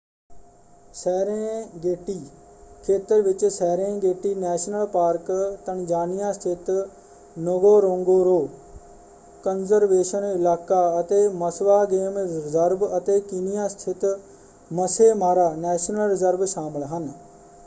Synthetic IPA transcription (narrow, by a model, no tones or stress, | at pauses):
sɛːɾẽːɡeːʈiː | kʰeːt̪əɾʋɪt͡ʃsɛːɾẽːɡeːʈiːnɛːʃnəlpaːɾkt̪ənd͡ʒaːnɪjãːst̪ʰɪt̪ | nəɡoːɾõːŋɡoːɾoː | kənzəɾʋeːʃənɪlaːkaːət̪eːməsʋaːɡeːmɾɪzəɾbət̪eːkɪnɪjãːst̪ʰɪt̪ | məseːmaːɾaːnɛːʃnəlɾɪzəɾbʃaːməlɦən